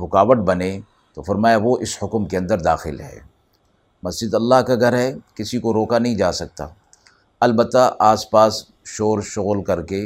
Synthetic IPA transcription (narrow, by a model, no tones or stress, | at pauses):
ʋʊkaːʋəʈbɐnẽ | t̪ofɐɾmaːjaʋoʔɪshʊkmkeɐ̃nd̪əɾd̪a̰ːxɪlɦɛ̰ː | mɐsd͡ʒɪd̪ɐlːaːɦkaɡʱɐɾɦɛkɪsikoɾoːkanɐɦĩd͡ʒaːsɐk̚t̪a̰ː | ɐlbət̪ːaʔaːspaːs | ʃoːɾʃʊɣlkɐɾke